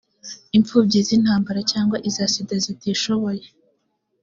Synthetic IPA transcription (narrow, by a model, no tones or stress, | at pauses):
iɱfuːbɟizinhaːmbaɾacaːŋɡwaʔizasidazitiːʃo̞βo̞je